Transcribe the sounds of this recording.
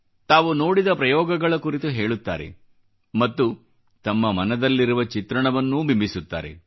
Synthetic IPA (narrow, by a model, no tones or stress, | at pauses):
t̪aːʋuno̞ːɽid̪ɐpɾɐjɔːɡɐɡɐɭɐkuɾit̪uɦeːɭut̪ːa̰ːɾḛ | mɐt̪ːu | t̪ɐmːɐmɐnɐd̪ɐlːiɾuʋɐt͡ʃit̪ɾɐɳɐʋɐnːubimbʱisut̪ːa̰ːɾḛ